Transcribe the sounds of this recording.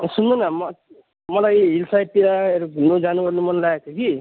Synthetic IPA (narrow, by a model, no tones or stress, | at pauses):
sund̪unʌmʌ | mʌlajɦilsajpiɾaeɾunod͡zanuɡʌrnumʌnlaet̪ʰoki